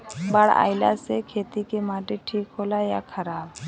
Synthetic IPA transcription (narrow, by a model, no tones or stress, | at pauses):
baɽa̰jla̰sɛkʰet̪ikɛmaʈeʈʰikɦolajakʰɐɾab̚